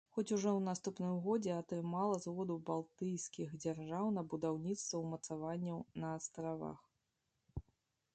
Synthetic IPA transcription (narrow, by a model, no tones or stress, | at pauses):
xɔt͡sʲuʐɔwnast̪upnɨmɣɔd͡zʲɛɐt̪ɾɨmalˠɐzvɔd̪ubalˠt̪ɨjsʲkʲiɣd͡zʲarʐawnɐbud̪awnʲit̪st̪vɐwmɐt̪savanʲːɐwnɐːst̪ɾava̰x